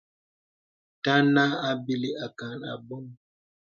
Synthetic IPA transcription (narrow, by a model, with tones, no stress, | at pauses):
ta˦na˦a˦bi˦li˦a˨ka˨na̰˨bɔ˦ŋ